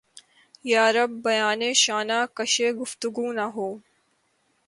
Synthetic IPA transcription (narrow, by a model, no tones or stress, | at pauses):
jaːɾɐbːɐjaːneːʃaːnaːkɐʃeːɡʊft̪ʊɡuːnɐɦoː